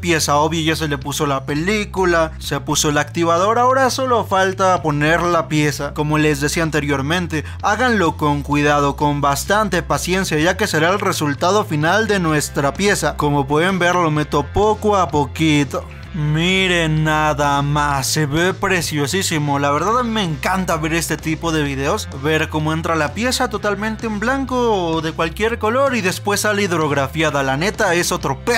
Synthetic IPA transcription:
pje̞sao̞βjaʝas̬e̞le̞puso̞lape̞likulase̞puso̞elakt̪iβað̞o̞ɾao̞ɾaso̞lo̞falt̪apo̞ne̞ɾlapje̞sako̞mo̞le̞zðesiant̪e̞ɾjo̞ɾmẽ̞nt̪e̞ | aɣanlo̞ko̞ŋkwiðað̞o̞ko̞mbast̪ant̪e̞pasje̞nsjaʝake̞se̞ɾaelre̞sult̪aðo̞finald̪e̞nwe̞st̪ɾapje̞sako̞mo̞pwe̞ðe̞mbe̞ɾlo̞met̪opokoapo̞kit̪o | miɾe̞naðamasːeβepɾe̞sjo̞sisimo̞laβe̞ɾðaðamimeŋkant̪aβe̞ɾe̞st̪e̞t̪ipo̞ðe̞βið̞e̞o̞s | βe̞ɾko̞moe̞nt̪ɾalapje̞sat̪o̞t̪almẽnt̪eemblaŋko̞ːðe̞kwalkje̞ɾko̞lo̞ɾiðe̞spwe̞saliðɾo̞ɣɾafjaðalane̞t̪ae̞so̞t̪ɾo̞pe

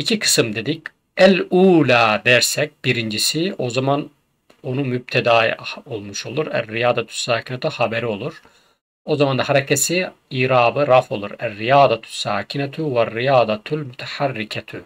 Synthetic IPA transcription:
icʰikʰɯ̥sɯmd̪e̞d̪ic | æluːlʲaːd̪æɾsɛc̚b̥iɾind͡ʒisio̞zaman | o̞numyb̚t̪ʰɛd̪ao̞lˠmuʃo̞lˠuɾæ̰rːijaːd̪at̪ʰy̥sːaːcʰinat̪ʰihabeɾio̞lˠuɾ̥ | o̞zamand̪ahaɾɛcʰɛsiiːɾaːbɯɾafo̞lˠuɾærːijaːd̪at̪ʰy̥sːaːcʰinɛt̪ʰyvarːijaːd̪at̪ʰulmyt̪ʰɛ̥ħarːicʰɛt̪ʰy

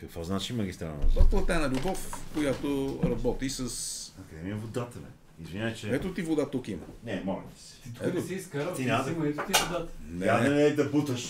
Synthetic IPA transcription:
kɐkvɔznat͡ʃimɐɡist̪ɾa̰lˠɛ̰n̰aplˠɐt̪ɛnɐlʲʊbɔfkojat̪oɾɐbɔt̪isɐsɐkd̪ɛmiɛvod̪at̪ənɛ̰ | izvinʲavt͡ʃɛɛt̪ot̪ivod̪at̪ukimɐ̰nɛmɔlɛ̰t̪isɛ̥t̪ɛt̪osiiskɐɾt̪inaɛt̪ot̪ivʊd̪at̪nɛad̪ɐnɛd̪ɐput̪əʃ

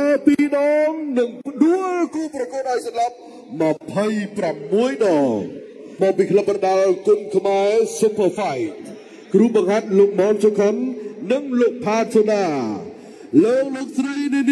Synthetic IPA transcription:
kapiːɗɑːŋnɨŋpʰɗuəlkuːprɑkuət̪̚ʔaɔjsɑmlap̚ | məpʰəjpramːuəjɗɑːl | mɔːk̚piːkʰləp̚ɓɑnɗalkʊnkʰmaɛsupʰəfajt̚ | kruːɓɑŋhat̪̚loːk̚mɔːnsokʰənːɨŋloːk̚pʰaːt̪̚soɗaː | loːk̚loːk̚srəjniəni

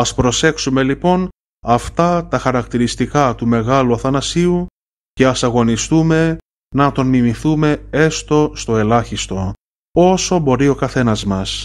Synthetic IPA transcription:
ɐspɾo̞se̞ksume̞lipo̞n | ɐft̪ɐt̪ɐxɐɾɐkt̪iɾist̪ikɐt̪ume̞ɣɐluɐθɐnɐsiu | ce̞ɐsɐɣo̞nist̪ume̞ | nɐt̪o̞nmimiθume̞e̞st̪o̞st̪o̞e̞lɐçist̪o̞ | o̞so̞bo̞ɾio̞kɐθe̞nɐzmɐs

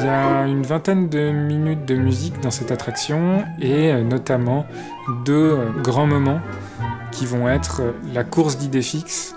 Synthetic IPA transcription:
jaynvɛ̃t̪ɛnd̪əminyt̪̚d̪əmyzikd̪ɑ̃sɛt̪at̪χaksjɔ̃eønɔt̪amɑ̃ | d̪øɡʁɑ̃mɔmɑ̃ | kʲivɔ̃ɛt̪χlakuʁsd̪id̪efiks

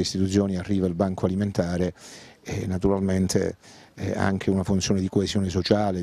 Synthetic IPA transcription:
eist̪it̪ut̪s̬joːniarːiːvailbaŋkʰoaliment̪aːɾeɛnːat̪uɾalment̪ʰḛ | a̰ŋk̟ʰeunafunt̪sjoːned̪ikoezjɔːnes̬ot͡ʃaːle

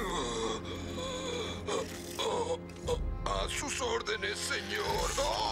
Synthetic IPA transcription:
asusoɾðeneseɲoɾðɔ

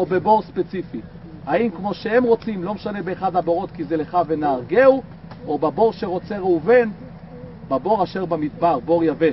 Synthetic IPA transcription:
obe̞bo̞ʁspet͡sifi | aimkmo̞ʃeemʁo̞t͡simlo̞meʃane̞beːχad̪habo̞ʁo̞t̪kizeleχave̞naːʁɡeu | obabo̞ʁʃe̞ʁo̞t͡se̞ʁeuven | babo̞ʁaʃeʁbamid̪baʁbo̞ʁjave

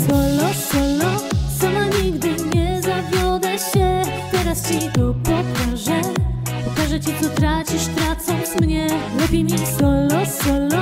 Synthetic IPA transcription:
sɔlɔsɔlɔsamaɲiɡd̪ɘɲɛzavʲjɔd̪ɛɕɛ | t̪ɛɾast͡ɕit̪ɔpɔkaʐɛ | pɔkaʐɛt͡ɕɛt̪sɔt̪ɾat͡ɕiɕt̪ɾat̪sɔ̃wñt̪smɲɛlɛpʲjimʲisɔlɔsɔlɔ

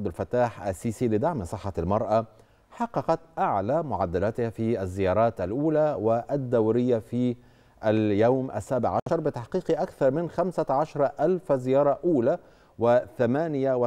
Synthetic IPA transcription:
d̪alfat̪ːaːħʔa̰sːiːsilɪd̪aʕmsˤɨħːɑlmɑɾˤʔa | ħɑqːɑqɑt̪ʔaʕlaːmʊʕad̪ːalæt̪ɪhafiʔazːɪjɑːɾˤɑːt̪ʔalʔuːlawɪʔad̪ːawɾɪjːafiː | ʔaljawmʔa̰sːaːbɪʕaʃɑɾˤbɪt̪aħqiːqiʔakθɑɾˤmɪnxamsaʕɑʃɑɾˤɑʔalfzɪjɑːɾˤɑʔuːlaː | wɪθamaːnɪjaw

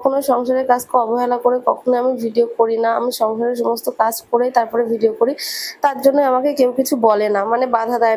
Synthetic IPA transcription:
kʰonoʃɔŋʃaɾeɾkad͡ʑkeɔboɦelakoɾekɔkʰonoamibʱiɖiokoɾinaamiʃɔŋʃaɾeɾʃ̬ɔmost̪okad͡ʑkoɾejt̪aɾpɔɾebʱiɖiokoɾit̪aɾd͡ʑonːeamakekewkit͡ɕʰubɔlenamanebad̪ʱad̪a

